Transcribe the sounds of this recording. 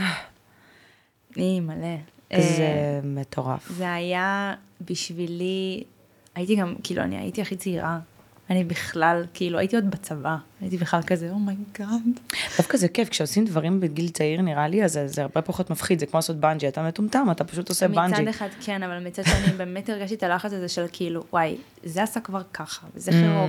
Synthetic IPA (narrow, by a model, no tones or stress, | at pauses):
a | imaleʔzemet̪ʰo̞ʁa̰fzeajabiʃvili | ajitiɡamkiːlṵa̰nḭa̰jḭtiaχit͡seiʁa | anibiχlalkiilua̰jit̪io̞d̪bat͡savaajitibiχlalkazeomajɡadd̪̥afkazekefkʃeosimd̪vaʁimbeɡilt͡saiʁniʁaliazezeaʁbepaχo̞t̪mafχid̪zekmoasot̪̚band͡ʒiat̪ametumt̪amat̪apḁʃut̪osemibanad͡ʒid̪eχadkʰenavalmit͡sad̥ʃeanibe̞ːme̞teʁɡaʃt̪it̪alaχat͡sazeʃelkʰiiːluwʔaj | zeasakvaʁkʰaχḁvezeχiʁo